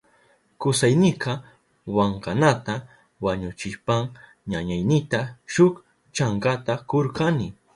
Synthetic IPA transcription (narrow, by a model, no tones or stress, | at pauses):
kʊsajnɪqɑ | waɴqanat̪a | waɲʊt͡ʃɪʃpaŋ | ɲaɲajnɪt̪aʃʊk | t͡ʃaɴkat̪akoɾkanɪ